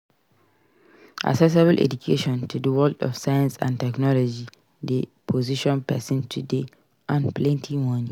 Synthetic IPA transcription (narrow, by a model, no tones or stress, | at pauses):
ʔa̰ksɛs̬ebəlʔɛ̰d͡ʒukʰeʃɔ̃ntʰudəwɛldɔ̰fsajãnsã̰ntɛknɔlɔd͡ʒi | dəpʰoziʃɔ̃npɛsĩntʰude | ʔãnplɛ̃ntʰĩŋmɔ̃nĩ